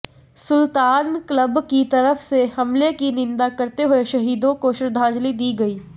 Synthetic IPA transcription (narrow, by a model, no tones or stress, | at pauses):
sʊlt̪aːnkləbkit̪ɐɾəfsehɐmlekinɪ̃nd̪akɐɾt̪eɦʊeʃɐɦiːd̪õkoʃɾɪd̪ʱãːd͡ʒlid̪iːɡɐiː